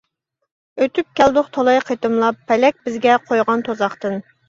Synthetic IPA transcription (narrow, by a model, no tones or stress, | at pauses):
øt̪ʰyp̚kʲɛld̪ʊχt̪ʰɑlˠɑjqʰet̪ɨmlˠɑpʰːɛlɛk̚ʲbɪzɡʲɛqʰojʁɑnt̪ʰozɑχt̪ɨn